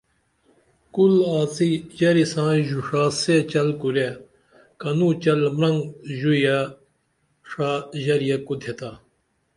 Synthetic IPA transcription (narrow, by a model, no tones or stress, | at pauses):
kulaːt͡sijɐɾisãːjuʂaːset͡ɕɐlkuɾe | kɐnũːt͡ɕɐlmɾɐŋɡʑuja | ʂaːʑɐɾijakud̪ʱet̪aː